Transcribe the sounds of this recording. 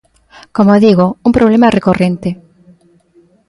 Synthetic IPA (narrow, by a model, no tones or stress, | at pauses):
komoðiɣouŋpɾoβlemarekorent̪e